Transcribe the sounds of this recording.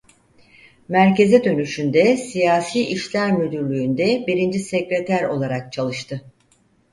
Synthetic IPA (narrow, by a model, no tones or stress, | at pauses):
mæɾce̞zɛd̪ø̞nyʃynd̪ɛsijaːsiːʔiʃlʲæɾmyd̪yɾlʲyːnd̪ɛbiɾind͡ʒisecɾet̪ʰæɾo̞̰lˠaɾak̚t͡ʃʰalˠɯʃt̪ʰɯ